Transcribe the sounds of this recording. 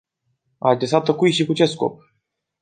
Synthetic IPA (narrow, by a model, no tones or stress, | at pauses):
ad̪esat̪əkujʃikut͡ʃesko̰p̚